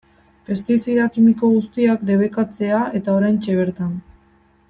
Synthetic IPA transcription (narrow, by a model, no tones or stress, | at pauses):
pe̞st̪isiðakimiko̞ɣust̪iakd̪e̞βe̞kat͡se̞ae̞t̪ao̞ɾajnt͡ʃe̞β̞e̞ɾt̪an